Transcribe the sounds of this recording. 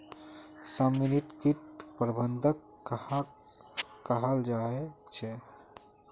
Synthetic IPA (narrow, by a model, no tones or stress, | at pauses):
səmːiniʈkiʈ̚pɾəbənd̪ʱək | kəɦəld͡ʒaet͡ʃʰɛ